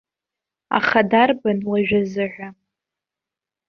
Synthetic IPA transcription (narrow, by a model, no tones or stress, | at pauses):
a̰χadarbanlaʒᶣazɨʕʷᶣa